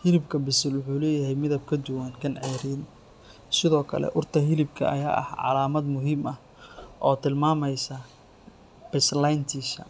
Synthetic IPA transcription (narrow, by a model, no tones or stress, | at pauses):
hɪlɪbkʰɐbɪsɪlwʊħuːlɛːjɐɦɛjmɪðɐb̚kʰɐd̪ʊwaːnkʰɐnʕɛːɾiːn | sɪðɔːkʰɐ̰lɛ̰ʔʊrt̪ʰɐɦɪlɪbkʰɐ̰ɐ̰ja̰ːʔɐ̰hʕɑ̰laːmɐd̪mʊɦiːmɐh | ʔɔːt̪ʰɪlmaːmɛjsɐ | b̥ɛslajnt̪ʰiːʃɐ̰